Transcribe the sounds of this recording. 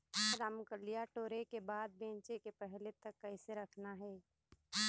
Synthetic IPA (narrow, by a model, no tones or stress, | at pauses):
ɾamʊkəlijaʈoːɾekebaːd̪̚bẽːnt͡ʃekepɛɦlet̪ɐkːɐɪseɾɐkʰnaɦɛː